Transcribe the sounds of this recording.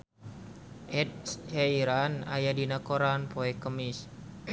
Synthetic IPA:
ʔɛt̚shaiɾana̰jadinakoɾanpoɛkəmis

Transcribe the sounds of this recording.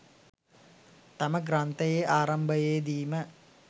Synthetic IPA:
t̪aməɡrant̪əjeʔaːɾɐmbəjed̪iːmə

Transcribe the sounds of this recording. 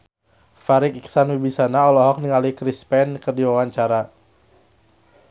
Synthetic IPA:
faɾikiksanwibisanaɔlɔɦɔk̚niŋalikɾispɛnkərdiwawaɲt͡ʃaɾa

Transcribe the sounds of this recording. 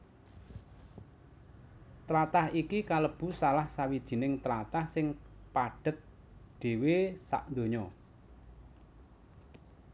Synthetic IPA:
t̪ɾat̪ahikikaləb̥ṳsalahsawid̥ʒ̥i̤nɪŋt̪ɾat̪ahsɪŋpaɖ̥ə̤t̪̚ | ɖ̥e̤wesa̰ʔnd̪oɲɔ

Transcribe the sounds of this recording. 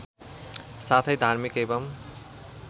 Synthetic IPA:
sat̪ʰʌjd̪ʱaɾmikebʌm

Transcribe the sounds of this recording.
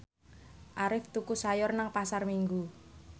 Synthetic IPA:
ʔaɾɪft̪ukusajɔrnaŋpasarmiŋɡu

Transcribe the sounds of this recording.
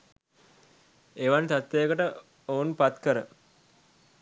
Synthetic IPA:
eʋant̪at̪ːejəkəʈə | ounpat̪kəɾə

